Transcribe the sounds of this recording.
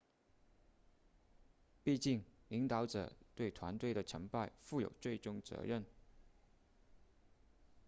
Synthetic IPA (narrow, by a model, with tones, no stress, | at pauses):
pi˥˧t͡ɕi˥˩ŋli˧˥ŋt̪ɑ˧˥ʊʈ͡ʂɤ̰˨˩˦t̪we˥˩ɪt̪ʰwa˧˥nt̪we˥˩ɪɾə˩ʈ͡ʂʰə˧˥ŋpa˥˧ɪfu˥˩jo̰˨˩ʊt͡swe˥˩ɪʈ͡ʂʊ˥ŋt͡sɤ̰˧˥ɻə˥˩n